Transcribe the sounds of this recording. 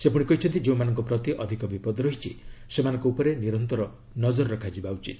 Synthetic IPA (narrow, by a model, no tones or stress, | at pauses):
sepuɽ̃ikɔɦit͡ʃʰɔnt̪id͡ʒeũmanɔŋkɔpɾɔt̪iʔɔd̪ʱikɔbipɔd̪ɾɔɦit͡ʃʰḭsemanɔ̃ŋkɔupɔɾeniɾɔnt̪ɔɾɔ | nɔd͡ʒɔɾɾɔkʰad͡ʒibaut͡ʃḭt̪